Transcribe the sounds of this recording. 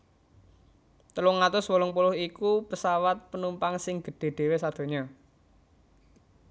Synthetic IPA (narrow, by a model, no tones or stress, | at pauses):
t̪əlʊŋat̪ʊswɔlɔŋpulʊhikupəsawat̪̚pənumpaŋsɪŋɡ̥ə̤ɖ̥e̤ɖ̥e̤wesad̪̥o̤ɲɔ